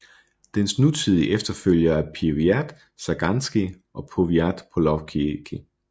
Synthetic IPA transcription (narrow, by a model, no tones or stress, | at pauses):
d̥ensnut͡sʰið̰ˠiʔefd̥ɐføl̰jɐæɐpʰiʋiæd̥ | sæɡ̥ænsɡ̥i | ʔɒ̽pʰoʋiæd̥pʰolɒfkʰiɡ̥ʰi